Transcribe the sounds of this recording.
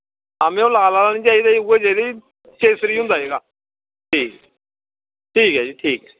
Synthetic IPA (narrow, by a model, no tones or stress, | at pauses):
amẽːoːlaːlaːlaːniːt͡ʃaːiːd̪aːiueːt͡ʃaːid̪aːi | t͡ʃeːsɾiːɦʊ̃nd̪aːɦeːɡaː | ʈʰiːk | ʈʰiːkɦɛːd͡ʒiʈʰiːk